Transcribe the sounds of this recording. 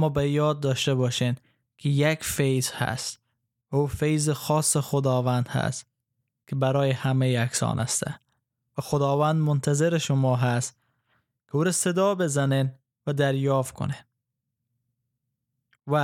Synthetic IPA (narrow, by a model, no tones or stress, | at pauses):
mɔːbajɒːd̪̚ːɒʃt̪abɒʃen | kʰɪjakfejzha̰st̪ | vaufejzɪxɒsːɪxʊd̪ɒvænd̪ha̰st̪ | kɪbaɾɒːjehamejaksɒ̰ːnʔa̰st̪a̰ | væxʊd̪ɒːvænd̪mʊnt̪ʰazeɾɪʃʊmɒːɦast̪ | kʰɪuːɾased̪ɒbezanen | vad̪æɾjɒːft̪̚kʰʊ̰nen | va